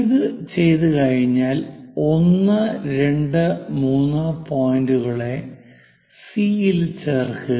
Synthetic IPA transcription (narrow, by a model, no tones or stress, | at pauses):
iðɨt͡ɕe̞jt̪ɨkɐɻiɲːaːlo̞nːɨɾe̞ɳɖɨmuːnːɨpoːjnduɣɐɭe̞ | siːilt͡ɕeːrkɨ